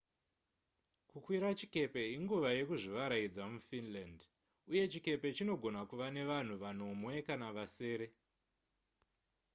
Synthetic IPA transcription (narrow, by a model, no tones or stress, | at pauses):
kukwiɾat͡ʃike̞pe̞iŋɡuʋaje̞kuʐiʋaɾaid͡zamufinland | uje̞t͡ʃike̞pe̞t͡ʃino̞ɡʱo̞nakuʋane̞ʋan̤uʋan̤o̞mwe̞kanaʋase̞ːɾe̞